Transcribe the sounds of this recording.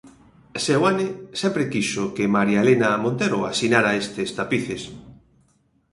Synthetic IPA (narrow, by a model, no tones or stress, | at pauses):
sewanɪsɛmpɾekiʃʊkɪmaɾjalenaːmõnt̪eɾʊasinaɾaest̪est̪apiθes